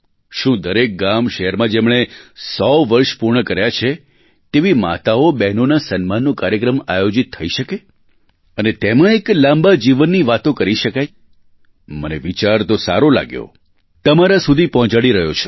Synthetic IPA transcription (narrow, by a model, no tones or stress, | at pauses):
ʃũd̪əɾek̚ɡamʃəɦɛɾmãd͡ʒemɳ̃esɔʋəɾʃpuɾɳəkəɾjat͡ʃʰe | t̪eʋima̰t̪aobɛɦnonasənmanːokaɾjəkɾəmajod͡ʒit̪ʰːəiʃəke | ənet̪emə̃eklãmbad͡ʒiʋənːiʋat̪õkəɾiʃəkaj | məneʋit͡ʃaɾt̪osa̰ɾola̰ɡjo̰ | t̪əmaɾasud̪ʱipɔɦɔ̃t͡ʃaɽiɾəɦjot͡ʃʰe̥